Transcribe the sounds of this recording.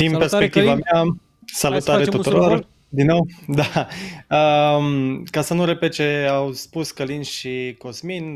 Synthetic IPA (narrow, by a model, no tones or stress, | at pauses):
t̪impe̞rsppek̚t̪ivamea | salut̪aɾeut̪uɾo̞r | d̪inːo̞wd̪aəmkasənuɾe̞pet̪̚t͡ʃe̞awspuskəlinʃiko̞smin